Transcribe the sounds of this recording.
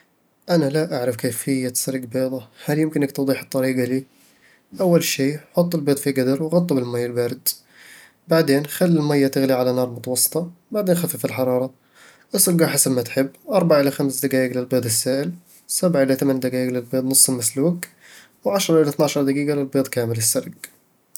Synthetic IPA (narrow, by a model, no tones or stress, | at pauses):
ʔanalaʔaʕɾɪfkeːfɪjːat̪sˤɑɾɡbeːd̪ˤɑhaljɪmkɪnːɪkt̪ʊd̪ˤiːħɨt̪ˤːɑɾiːɡaliː | ʔawːalʃiːħʊt̪ˤːɪlbeːd̪ˤfiɡad̪ɑɾˤwɣɑt̪ˤːɑbɪlmajːalbaːɾɪd̪ | baʕd̪eːnxalːɪlmajːat̪ɪɣliʕalanɑːɾˤmʊt̪ɑwɑsˤːɨ̥t̪ˤɑbaʕd̪eːnxafafɪlħɑɾˤɑːɾˤɑ | ʔɪsɪɾɡaħasɪmːat̪ħɪbːʔɑɾˤbaʕaʔɪlaxamsd̪aɡaːʔɡlɪlbeːd̪ˤɪsːaːʔɪl | sabʕaʔɪlat̪amand̪aɡaːɪɡlɪlbeːd̪ˤnɨsˤːɪlmasluːk | wʕaʃɾˤɑʔɪlaθnaʕʃɑɾˤd̪aɡiːɡalɪlbeːd̪ˤkaːmɪlɪsːaɾɡ